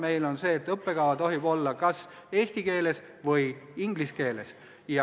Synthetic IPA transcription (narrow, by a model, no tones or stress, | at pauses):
me̞jlo̞nse̞ːt̪ːˑɤpːe̞ɡ̥ɑwɑt̪o̞ɦib̥o̞lːɑkɑs | e̞ːsʲt̪ike̞ːle̞s | vɤjiŋɡliske̞ːle̞s | jɑ